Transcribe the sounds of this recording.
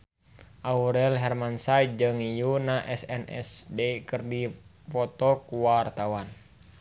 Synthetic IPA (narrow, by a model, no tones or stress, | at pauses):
ʔauɾɛlɦɛrmansad͡ʒɨŋijunaʔɛsɛnɛ̰sdɛkɨrdi | pɔt̪ɔkuwart̪awan